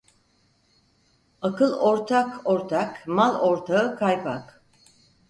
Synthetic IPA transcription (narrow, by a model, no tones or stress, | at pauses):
akɯlˠoɾt̪ʰakʰoɾt̪ʰakmalˠoɾt̪ʰaɯkʰajpʰak